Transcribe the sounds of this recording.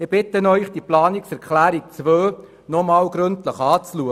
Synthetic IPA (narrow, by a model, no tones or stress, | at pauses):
ɪb̥ɪt̪ənœʏχd̥iəplɑːniksɛɾkʰχlæːɾik̚t͡sʋøː | nɔmɑːlɡɾɵntləχɑːt͡sluə